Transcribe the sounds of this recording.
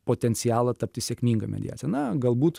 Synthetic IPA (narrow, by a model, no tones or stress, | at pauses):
poːt̪ʲɛnʲt͡ssʲɪjæːlˠɐt̪ɐpʲt̪ʲɪsʲeɛkmʲiːŋɡɐmʲɛ̰d̪ʲɪ̰jæ̰ːtsʲjɛnɐɡɐlˠbuːt̪